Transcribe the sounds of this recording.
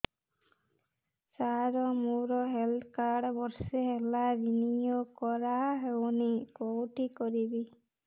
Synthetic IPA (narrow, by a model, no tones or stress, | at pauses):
saɾɔmuɾɔɦeld̪kaɾɖbɔɾseɦelabinijokɔɾaɦewnikowʈikɔɾibi